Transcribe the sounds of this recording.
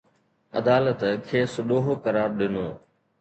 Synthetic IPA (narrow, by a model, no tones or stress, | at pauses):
ɐ̰d̪aːlət̪kʰeːsɗoːɦokəɾaːɾɗɪnoː